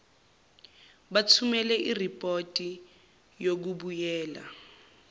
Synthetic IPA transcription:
ɓat͡sʰumɛlɛʔiripʼotʼi | jok̬uɓujɛːla̰

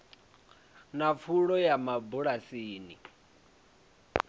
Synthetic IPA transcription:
nap̪fʰuɺɔjamabuɺasiːni

